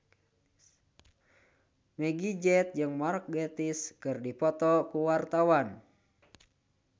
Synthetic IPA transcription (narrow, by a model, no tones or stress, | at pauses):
mɛɡid͡ʒɛt̪̚d͡ʒɨŋmark̚ɡɛt̪iskɨrdipɔt̪ɔkuwart̪awan